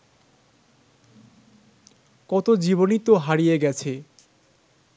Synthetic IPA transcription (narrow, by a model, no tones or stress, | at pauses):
kɔt̪od͡ʑibonit̪ːoɦaɾijeɡɛt͡ɕʰe